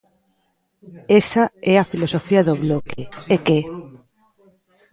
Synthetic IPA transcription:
esaɛafilosofiaðoβlokeeke

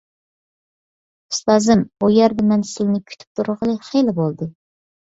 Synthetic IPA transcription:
u̥st̪ɑːzɨmujɛɾd̪ɛmɛnsɪlnɪkʲʰy̥t̪ʰy̥p̚t̪ʰuɾʁəlˠɨχejlɪbolˠd̪ɨ

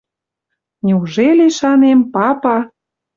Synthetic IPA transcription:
nʲeuʒeleʃɑnempɑpɑ

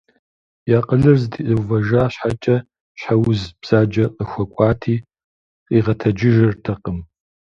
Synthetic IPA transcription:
jaːqʼəɮɨrzdʰiʔɨwvɐʒaːɕħat͡ʃʼɐ | ɕħawʊzbz̥aːd͡ʒɐqʼəxʷɐkʷʼaːtʰiː | qʼiːʁɐtʰɐd͡ʒɪʒɐrtʰɐqʼəm

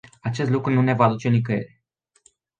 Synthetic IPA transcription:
at͡ʃe̞st̪lukɾunune̞vaːd̪ut͡ʃe̞nik̬əje̞̰ɾe

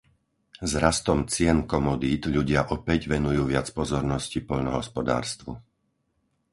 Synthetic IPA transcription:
zɾast̪ɔmt͡sɪɛnkɔmɔd̪iːt̪ʎuɟɪaʔɔpɛɟʋɛnujuːʋɪat͡spɔzɔɾnɔscipɔʎnɔɦɔspɔd̪a̰ːɾst̪ʋṵ

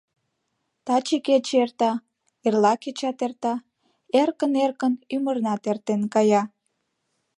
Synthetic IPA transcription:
t̪ɑt͡ɕeket͡ɕert̪ɑ | erlɑket͡ɕɑt̪ert̪ɑ | erkənerkənymərnɑt̪ert̪enkɑjɑ

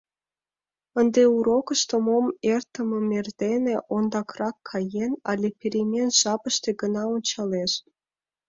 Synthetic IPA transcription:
ənd̪euɾokəʃt̪əmomert̪əmə̆merd̪eneʔond̪ɑkrɑkʰːɑjenɑ̰lʲepʲeɾemʲenʒ̥ɑpəʃt̪eɡənɑonʲt͡ɕɑleʃ

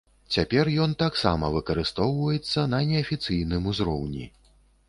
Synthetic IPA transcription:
t͡sʲapʲɛrjɔnt̪aksa̰mɐvɨkɐɾɨst̪ɔwvɐjɛt̪sːɐnɐnʲɛɐfʲit̪sɨjn̪ɨmuzɾɔ̰wnʲḭ

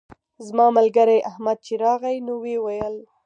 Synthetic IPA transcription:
zmɑmalɡaɾajʔahmad̪̚t͡ʃeɾɑɣajnowewajəl

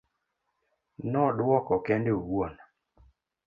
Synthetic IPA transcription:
nɔdwɔkɔkɛndeoɡwon

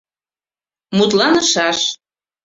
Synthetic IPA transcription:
mut̪lɑnəʃɑʃ

